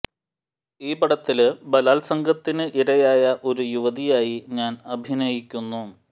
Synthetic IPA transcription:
iːbɐɽɐt̪ːilbɐlaːlsɐŋɡʱɐt̪ːinɨʔiɾɐjaːjɐʔo̞ɾujuʋɐðijaːjiɲaːnɐbʱinɐjikʲːunːu

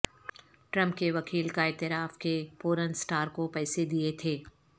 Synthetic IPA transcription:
ʈɾə̃mp̚keʋɐkiːlkaɪːt̪ɪɾaːfkepoːɾənsʈaːɾkopɛːsed̪iet̪ʰeː

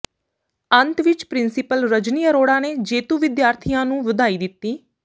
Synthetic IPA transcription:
ənt̪ʋɪt͡ʃpɾɪnsɪpəlɾəd͡ʒniːəɾoːɽãːneːd͡ʒeːt̪uːʋɪd̪jaːɾt̪ʰijãːnũːʋəd̪aːiːd̪ɪt̪ːiː

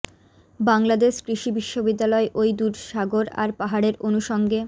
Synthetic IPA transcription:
baŋlad̪eʃkɾiʃibiʃːobid̪ːalɔeʔojd̪uɖʃaɡoɾa̰ɾpaɦaɽeɾonuʃɔŋɡe

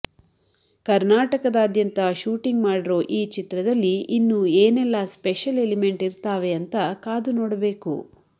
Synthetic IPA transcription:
kɐɾnaːʈɐkɐd̪aːd̪jɐnt̪ɐʃuːʈiŋɡmaːɽiɾo̞ːʔiːt͡ʃit̪ɾɐd̪ɐlːiinːueːnɛlːaspeʃɐlelime̞ɳʈiɾt̪aːʋe̞ɐnt̪ɐkaːd̪unoːɽɐbe̞ːkṵ

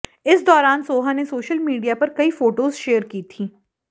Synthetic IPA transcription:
ɪsd̪ɔːɾaːnsoːɦanesoːʃəlmiːɖijapɐɾkɐifoːʈoːzʃeːəɾkiːt̪ʰiː

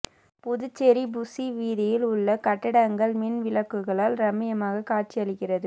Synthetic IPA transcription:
pʊðɯt͡ʃːɛɾibʊsiʋiːðɪjɪlʊɭːɐkɐʈːɪɽɐŋɡɐɭmɛnʋɪlɐkːɯɣɐɭaːlɾɐmɪjɐmaːɣɐkaːʈ̚t͡ʃiɐɭɪkːɪrɐðɯ

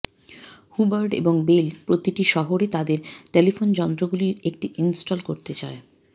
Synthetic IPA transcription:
hubaɾɖḛboŋbelpɾot̪iʈiʃɔɦoɾet̪ad̪eɾʈelifond͡ʑɔnt̪ɾoɡuliɾek̚ʈiʔinsʈolkoɾt̪et͡ɕae

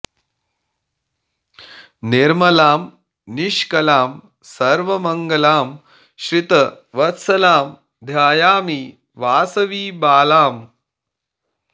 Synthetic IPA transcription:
niɾmɐlaːm | niʂkɐlaːm | sɐɾʋɐmɐŋɡɐlaːm | ɕɾit̪ɐ | ʋɐt̪sɐlaːm | d̪ʱjaːjaːmiː | ʋaːsɐʋiːbaːlaːm

